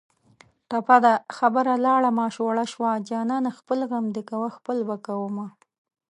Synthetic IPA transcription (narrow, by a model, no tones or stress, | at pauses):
ʈ̪apad̪axabəɾalɑɽamɑːʃoɽaʃwɑd͡ʒɑːnɑnaxpəlɣamd̪əkawaxpəlbakawəma